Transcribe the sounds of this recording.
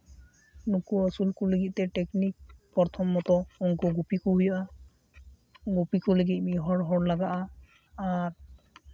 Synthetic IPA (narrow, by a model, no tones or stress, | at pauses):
nukuɔsulkuleɡit̚tɛteknik̚pɔɹt̪ʰɔmːɔt̪ɔɔŋkuɡupikuɦujaʔa | ɡupikuleɡit̚miɦɔɹɦɔɹlaɡaʔa | aɹ